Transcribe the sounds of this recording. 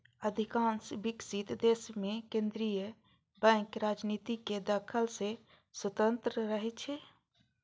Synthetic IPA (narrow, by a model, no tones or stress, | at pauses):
əd̪ʱikãːnsbɪksit̪d̪eːsmẽkẽnd̪ɾijə | bɛ̃ːkɾaːd͡ʒniːt̪iked̪aːkʰəlse | swət̪ə̃nt̪ɾəɾəɦɛt͡ʃʰɛ